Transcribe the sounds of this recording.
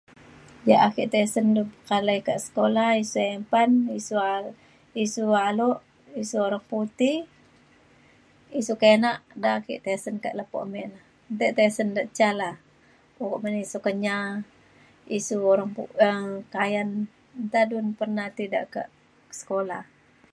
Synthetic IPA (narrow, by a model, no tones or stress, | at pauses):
jaʔakiʔt̪esəndukalajkaʔsə̥kolahisuempanisua | isualɔʔ | isuoɾaŋput̪i | isukenaʔdaʔakḭʔt̪esənka̰ʔləpo̰ʔmɛʔlah | nt̪ɛʔt̪esəndaʔt͡ʃalah | ukoʔmənisukəɲa | isuoɾaŋpuəkajan | nt̪adunpərnaht̪ida̰ʔka̰ʔ | sə̥kolah